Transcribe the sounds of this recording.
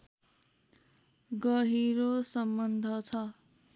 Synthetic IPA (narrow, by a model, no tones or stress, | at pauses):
ɡʌɦiɾosʌmbʌnd̪ʱʌt͡sʰʌ